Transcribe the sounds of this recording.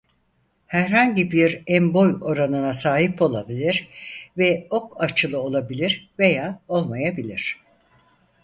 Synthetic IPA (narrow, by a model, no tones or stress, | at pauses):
hæɾɦaɲɟibiɾɛmbo̞jo̞ɾanɯnasaːɦipo̞lˠabilʲiɾvɛo̞kʰat͡ʃʰɯlˠɯo̞lˠabilʲiɾve̞jaːo̞lˠmajabilʲiɾ̥